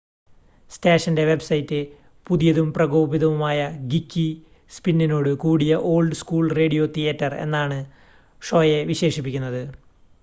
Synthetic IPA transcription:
steːʂɐnde̞ʋe̞bsɐjtːɨ | puðijɐðumprɐɡo̞ːbiðɐʋumaːjɐɡikʲːi | spinːino̞ːɽɨkuːɽijɐʔo̞ːɭɖɨskuːɭre̞ːɽijo̞t̪ʰijɐtːɐre̞̰nːaːɳɨ | ʂo̞ːje̞ʋiɕe̞ːʂip̬ːikʲːunːɐðɨ

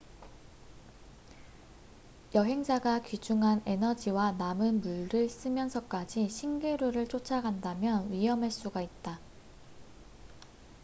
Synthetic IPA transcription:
jʌɦe̞ŋd͡ʑaɡakid͡ʑuŋɦane̞nʌd͡ʑiwanamɯnmuɭɾɯɭs͈ɯmjʌnsʰʌk͈ad͡ʑiɕʰiŋɡeɾuɾɯɭt͡ɕ͈ot͡ɕʰaɡandamjʌnɥiɦʌmeɭs͈uɡait̚t͈a

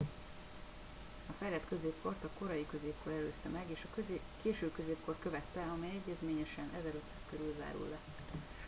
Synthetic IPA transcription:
ɒfɛjlɛt̪kø̞zeːpko̞rt̪ɒko̞ɾɒjikø̞zeːp̚ko̞ɾɛløːst̪ɛmɛɡeːʃɒ | keːʃøːbkøzeːpko̞rkø̞vɛt̪ːɛɒmɛjɛɟːɛzmeːɲɛʃɛnʔɛzɛɾø̞t̪saːskøɾylza̰ːɾṵlːɛ

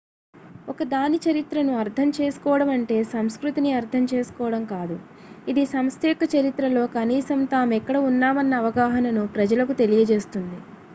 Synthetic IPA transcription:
ɔkɐd̪aːnit͡ʃɐɾit̪ɾɐnuɐɾt̪ʰɐmt͡ʃe̞ːsu̥kɔːɐɽɐmɐɳʈe̞ːsɐmskɾut̪iniɐɾt̪ʰɐmt͡ʃe̞ːsu̥kɔːʋɐɽɐmkaːd̪u | id̪isɐmst̪ʰɛjɐkːɐt͡ʃɐɾit̪ɾɐlo̞ːkɐniːsɐmt̪aːmuɛkːɐɽɐunːaːmɐnːɐːʋɐɡaːɦɐnɐnupɾɐd͡ʒɐlɐkut̪e̞lijɐd͡ʒe̞ːst̪und̪i

